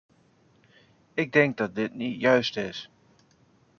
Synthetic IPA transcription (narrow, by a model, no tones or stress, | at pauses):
ɪɡ̚dɛŋk̚dɑt̚dɪtnitjœɥstɪs